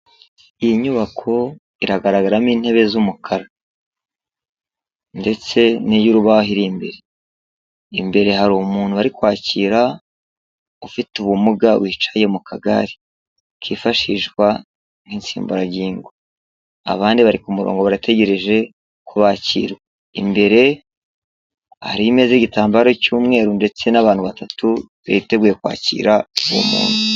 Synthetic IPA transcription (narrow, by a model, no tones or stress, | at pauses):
ijiɲuβakʰo̞ | iɾaɡaɾaɡaɾamiːnhe̞βe̞zumukʰaɾa | nde̞t͡se̞nijuɾuβaɦiɾimbe̞̰ɾe | imbe̞ɾe̞ɦaɾumuːn̥uβaɾikwaːciːɾa | ufituβumuɡaβwiːt͡ʃaje̞mukʰaɡa̰ɾi̥ | kʰiːfaʃiʒɡwa | n̥insḭːmbuɾaɟiːŋɡo | a̰βaːndiβaɾikumuɾo̰ːŋɡo̞βaɾate̞ɟe̞ɾe̞ʒe̞ | koβaːcḭːɾwe | ḭmbe̞ɾe̞ | ha̰ɾiime̞zeɟitaːmbaɾo̞cuːmŋe̞ːɾunde̞t͡se̞naβaːn̥huβatatu | βeite̞ɡuːje̞kwa̰ːcḭːɾauwo̰mṵːnhu